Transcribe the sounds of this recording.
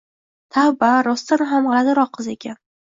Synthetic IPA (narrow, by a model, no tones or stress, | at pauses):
t̪ʰabaɾɒst̪anɪɦamʁɑlad̪ɪɾɒqʰːɨze̞kʲʰan